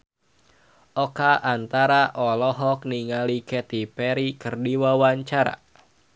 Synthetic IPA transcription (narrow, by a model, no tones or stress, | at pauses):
ʔɔkaʔant̪aɾaʔɔlɔɦɔk̚niŋalikɛt̪ipɛɾikɨrdiwawaɲt͡ʃaɾa̰